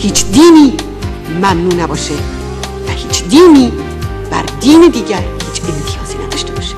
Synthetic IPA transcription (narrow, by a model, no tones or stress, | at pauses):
hiːt͡ʃʰd̪iːniː | mæmnuːnæbɒːʃe | væhiːt͡ʃʰd̪iːniː | b̥æ̰ɾd̪iːned̪iːɟæɾhiːt͡ʃʰemt̪ʰijɒːz̥iːnæd̪̥ɒːʃt̪ebɒːʃe̥